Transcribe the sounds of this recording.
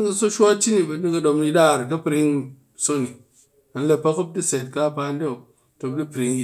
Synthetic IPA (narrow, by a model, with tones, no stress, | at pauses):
i˦ŋkɐ˧so˦ʃʷa˦t͡ʃi˦ni˨bɐ˨ni˦kɐ˧ɗo˧mi˧da˦˨ɾkɐ˦pɾi˦ŋ | so˦ni˨ | a˨n̩˦le˧pa˦ku˦p̚di˦se˨t̚ka˦pa˧nde˦o˨ | to˨b̚di˦pɾi˧ŋi˦